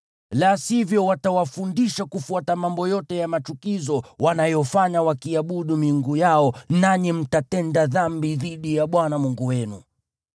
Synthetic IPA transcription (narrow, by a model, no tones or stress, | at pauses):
lasivjɔwatawafundiʃakufuatamambɔjɔtɛjamatukizɔwanajɔfaɲawakiaɓuɗumiŋɡujaɔnaɲɛm̩tatɛndaðambiðiɗijaɓwanamuŋɡuwɛnṵ